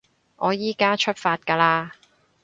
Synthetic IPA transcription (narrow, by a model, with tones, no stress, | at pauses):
ʔɔː˨˧jiː˨˥kaː˥t͡ʃʰɵ˥t̚faː˧t̚kaː˧laː˧